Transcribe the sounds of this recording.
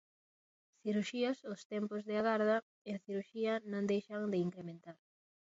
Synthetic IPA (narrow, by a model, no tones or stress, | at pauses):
θiɾuʃiɐsost̪ɛmpozðɪaɣaɾð̞ɐ | enθiɾuʃiɐnõŋd̪ejʃɐŋd̪ɪiŋkɾemẽnt̪aɾ